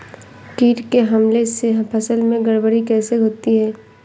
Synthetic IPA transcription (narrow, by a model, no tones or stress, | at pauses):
kiːʈkeɦɐmleseɦpʰəsəlmẽɡəɽbəɾikɛːseɦoːt̪iɦɛː